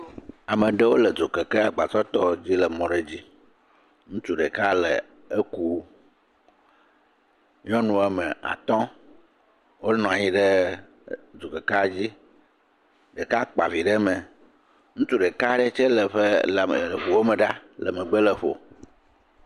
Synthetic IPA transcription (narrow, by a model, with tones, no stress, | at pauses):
a˨mə̃˨ɖə˦wo˦lə˨d͡zo˨ke˨ke˦a˨ɡ͡ba˨t͡ʃɔ˦t̪ɔ˦d͡ʑi˦lə˨mɔ̃˨ɖe˦d͡ʑi˦ | ŋũ˦t͡ʃu˦ɖe˨ka˦lə̰˨ | e˦ku˦ | ɲɔ̃˦nũ˦ɛ˦me˨a̰˨t̪ɔ̃˦ | wo˦nɔ̃˨a˨ji˦ɖə˦ | d͡zo˨ke˨ka˦a˨d͡ʑi˦ | ɖe˨ka˦k͡pa˨vi˨ɖə˦mẽ˨ | ŋũ˦t͡ʃu˦ɖe˨ka˦ɖe˦t͡ʃe˦lə˨ɸe˦lɸu˨wo˦mə̃˨ɖa˦lə˨me˨ɡ͡be˦lə˨ɸo̰˨